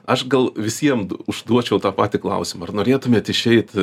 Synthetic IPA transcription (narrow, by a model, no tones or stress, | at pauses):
ɐʃɡɐlˠʋʲɪsʲiɛmʊʒd̪uɔt͡ʃʲɛʊt̪ɑːpɑːt̪ʲɪklˠɐ̰ʊsʲɪmɐɐrnoːɾʲeːt̪ʊmʲeɛt̪ɪʃʲɛɪt̪